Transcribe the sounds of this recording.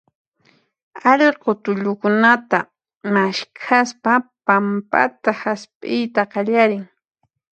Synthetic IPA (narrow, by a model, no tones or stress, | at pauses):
aʎɪɾqot̪ʊʎʊkʊnat̪a | maʃkʰaspapampa̰t̪ahaspʼɪjt̪aqɑʎaɾɪŋ